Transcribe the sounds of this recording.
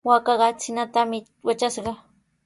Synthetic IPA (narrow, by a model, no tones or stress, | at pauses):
wakɑɢɑt͡sɪnat̪amɪ | wat͡ʃasɢɑ